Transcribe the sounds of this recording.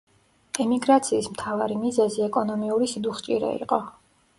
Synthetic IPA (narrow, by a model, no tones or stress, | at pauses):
ɛmiɡɾat̪sʰiːsmt̪ʰavaɾimizɛziɛkʼɔnɔmiuɾisid̪uχt͡ʃʼiɾɛ̰ḭqʼɔ